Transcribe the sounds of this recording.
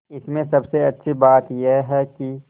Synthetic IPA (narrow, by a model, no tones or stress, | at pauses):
ɪsmẽsɐbseɐtːʃʰibaːt̪jeɦɛki